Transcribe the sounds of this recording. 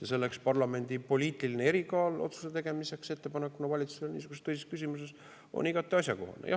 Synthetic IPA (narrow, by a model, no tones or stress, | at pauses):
jɑse̞lːe̞kspɑrlɑme̞nʲd̪̥ipo̞lʲiːt̪ʲːˑilinee̞ɾikɑːlo̞̰t̪su̥set̪e̞ɡ̥e̞mise̞kse̞t̪ːe̞pɑnekːunɑvɑlʲit̪su̥selnḭːsuɡuset̪øjseskys̬ʲimus̬e̞s | o̰niɡ̥ɑt̪ːˑeɑsʲjɑko̞̰ho̰nḛjɑ̰